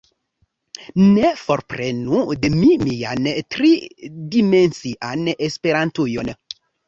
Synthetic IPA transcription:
nefoɾpɾenudemimiantɾidimensiʔanespeɾantujon

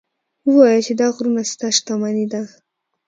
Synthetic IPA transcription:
wəwɑjət͡ʃed̪ɑɣɾunast̪aʃt̪amanid̪a

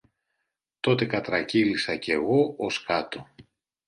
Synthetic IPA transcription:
t̪o̞t̪e̞kɐt̪ɾɐcilisɐce̞ɣo̞ʔoskɐt̪o̞

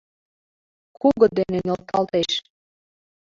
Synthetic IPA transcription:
kʰuɣɤ̆d̪enenʲolt̪ɑlt̪eʃ

